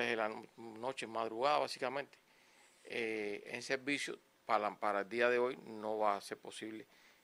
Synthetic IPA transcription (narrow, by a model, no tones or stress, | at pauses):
eðelano̞t͡ʃemːaðɾuɣ̞aðaβasikamẽ̞nt̪e̥ | eḛnseɾbisjo̰ | palapaɾaeld̪iaðeo̞jno̞βaːse̞ɾpo̞siβle